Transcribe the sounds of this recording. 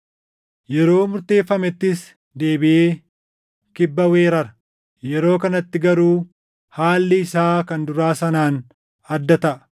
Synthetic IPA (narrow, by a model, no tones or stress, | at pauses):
jɛɾo̞ːmʊɾt̪e̞ːfːɐmɛt̪ːɪs | d̪e̞ːbɪʔeː | kɪbːɐwe̞ːɾɐɾɐ | jɛɾo̞ːkɐnɐt̪ːɪɡɐɾuː | haːlːɪɪsaːkɐnd̪ʊɾaːsɐnaːn | ɐd̪ːɐt̪ɐʔɐ̥